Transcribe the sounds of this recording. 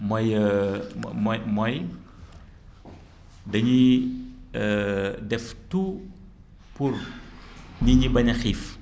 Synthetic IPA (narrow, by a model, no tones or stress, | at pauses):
majə | mjmɔj | dəɲi | ədɛftu | pur | ɲiɲibaɲaxif